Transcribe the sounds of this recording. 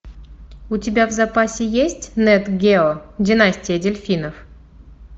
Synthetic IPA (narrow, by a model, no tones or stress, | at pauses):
utʲɪbʲavzapasʲɪjesʲtʲnɛt̪ɡʲeodʲɪnasʲtʲɪjədʲelʲfʲinof